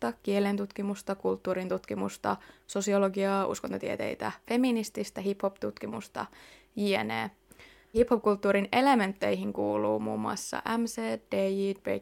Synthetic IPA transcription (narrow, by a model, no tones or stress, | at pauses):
t̪ɑkielent̪ut̪k̟imust̪ɑkult̪ːuːɾint̪ut̪k̟imṵst̪ɑ̰so̞sio̞loɡiɑːʔṵskont̪ot̪iet̪ḛjt̪æfe̞minist̪ist̪æɦipho̞pt̪ut̪k̟imṵst̪ɑ̰ | jiːḛnḛː | hiphop̚kult̪ːuːɾine̞le̞me̞nt̪ːe̞jɦiŋkuːlṵːmṵːmoɑ̰sːɑ̰ʔæmseːd̥eidbḛ